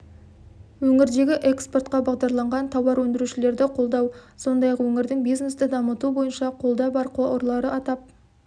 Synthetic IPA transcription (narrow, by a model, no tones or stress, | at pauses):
wɵŋɪɾd̪e̞ɡʲɪʔe̞kspo̞rt̪qɑbɑʁd̪ɑɾlˠɑɴʁɑnt̪ʰɑwɑɾwɵnd̪ɪɾuʃɪle̞ɾd̪ɪqʰo̞lˠd̪ɑwso̞nd̪ɑjɑqwɵŋɪɾd̪ɪŋbijzne̞st̪ɪd̪ɑmət̪ubo̞jənʃɑqʰo̞lˠd̪ɑbɑɾqʰooɾlˠɑɾəɑt̪ɑp̚